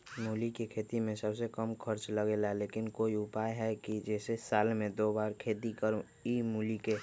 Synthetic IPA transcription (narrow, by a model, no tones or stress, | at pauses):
muːlikekʰeːt̪imẽsəbsekəmkʰəɾt͡ʃləɡeːlaleːkɪnkoːiʊpaːjɦɛkid͡ʒɛːsesaːlmẽd̪oːbaːɾkʰeːt̪ikəɾũ | imuːlike